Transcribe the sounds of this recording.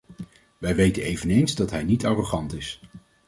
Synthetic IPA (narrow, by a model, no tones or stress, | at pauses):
ʋɛjʋejtənejvənejnzdɑtɦɛjnitɑːroχɑntɪs